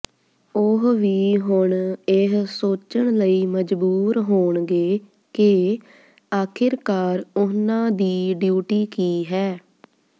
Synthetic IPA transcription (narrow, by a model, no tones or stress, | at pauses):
ʊɦʋiːɦʊɳɪɦsoːt͡ʃəɳləiːməd͡ʒbuːɾɦoːɳɡeː | ke | aːkʰɪɾkaːɾʊnãːd̪iːɖjuːʈiːkiːɦɛː